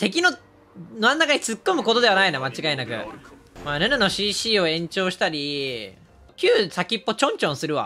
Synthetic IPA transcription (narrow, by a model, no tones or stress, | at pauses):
t̪e̞k̬ʲino̞ | noanːakaɲ̟it͡sɨkːo̞mɯ̟ko̞t̪o̞d̪e̞βanainamat͡ɕiɡaenakɯ̟̰ | maːnɯnɯno̞ɕiːɕiːo̞ẽ̞ɲ̟t͡ɕo̞ːɕi̥t̪aɾʲi | kʲɨːsakʲipːo̞t͡ɕõ̞ɲt͡ɕõɰ̃sɨɾɯ̟βa̰